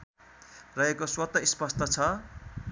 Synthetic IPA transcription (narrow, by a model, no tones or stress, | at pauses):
rʌɦekoswʌt̪ːʌispʌst̪ʌt͡sʰʌ